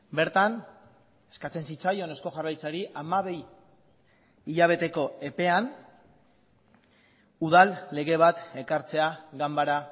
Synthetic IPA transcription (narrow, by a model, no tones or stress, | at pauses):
be̞ɾt̪an | e̞skat͡se̞nsit͡sajo̞ne̞sko̞ʝarajt͡saɾiʔamaβe̞j | iʎaβ̞e̞t̪e̞ko̞e̞pe̞an | uð̞alːe̞ɣe̞β̞at̪e̞kaɾt͡se̞aɣambaɾa